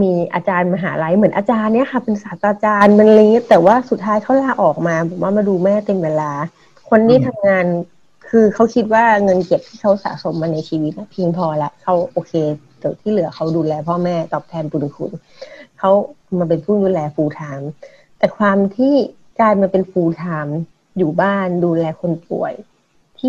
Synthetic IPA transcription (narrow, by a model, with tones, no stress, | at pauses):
miː˧ʔaː˧t͡ɕaː˧nma˧ɦa̰ː˩˦la˧jmɯ˩˦nʔaː˧t͡ɕaː˧nːi˥ɐkʰa˥˩pe˧nsaː˨˦ka˧t͡ɕaː˧nma˧nlːŋi˦˥ɐt̪ɛː˨˩waː˥˩su˨˩t̪ʰːaː˦˥jkʰa˦˥wlaː˧˩ʔɔː˨˩k̚maː˧bɔː˨˩˦m̚waː˥˩maː˧nduː˧mɛː˥˩t̪e˧mweː˧laː˧ | kʰo˧nːiː˦˥˩t̪ʰa˧mŋaː˧n | kʰɯː˧kʰa˦˥wkʰi˦˥t̪̚waː˥˩ŋɤ˧nke˨˩p̚t̪ʰiː˥˩kʰa˦˥wsa̰ː˩˦so˧˦mːaː˧na˧jt͡ɕʰiː˧wi˦˥t̪̚la˦˥˩pʰiː˧ŋpʰɔː˧lɛ˦˥kʰa˦˥wʔoː˧kʰeː˧t͡ɕi˨˧˩t̪ʰiː˥˩lɯ˨˩˦ɐkʰa˦˥wduː˧lɛː˧pʰɔː˥˩mɛː˥˩t̪ɔː˨˩p̚t̪ʰɛː˧mt̪u˨˩nkʰṵ˧˩n | kʰa˦˥w | maː˧p̬e˧npu˥˩ŋduː˧lɛː˧fuː˧t̪ʰaː˧m | t̪ɛː˨˩kʰwaː˧mt̪ʰiː˥˩ | kaː˧jmaː˧pe˧nfuː˧t̪ʰaː˧m | juː˨˩baː˥˩nduː˧lɛː˧kʰo˧npṵ˨˩əj | t̪ʰiː˥˩